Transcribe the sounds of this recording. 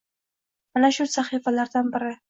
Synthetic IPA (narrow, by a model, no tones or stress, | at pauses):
manaʃʊsaχifalaɾd̪anbɪɾɪ